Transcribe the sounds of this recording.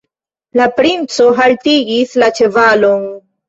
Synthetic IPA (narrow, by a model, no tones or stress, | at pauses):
lapɾint͡soɦalt̪iɡislat͡ʃevalon